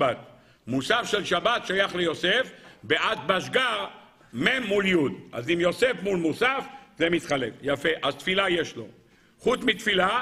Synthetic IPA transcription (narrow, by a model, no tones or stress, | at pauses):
at̪̚ | musafʃelʃabat̪ʃajaχlejo̞sefbeʔat̪̚baʃɡaʁ | memːuljud̪ʔa̰zimjo̞se̞fmulmusafzemit̪χalefjafeʔazt̪filajeʃlo̞̰ | χutt͡smit̪fila